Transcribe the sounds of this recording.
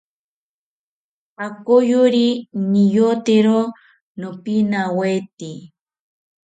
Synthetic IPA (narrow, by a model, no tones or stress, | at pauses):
akojʊɾinijot̪eɾo | nopinawet̪i